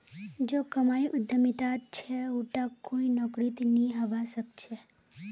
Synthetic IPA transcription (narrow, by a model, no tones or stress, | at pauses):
d͡ʒokəmaːjʔʊd̪ʱːəmit̪at̪̚t͡ʃʰɛuʈakːoinɔːkɾit̪nĩɦəʋasək̚t͡ʃʰe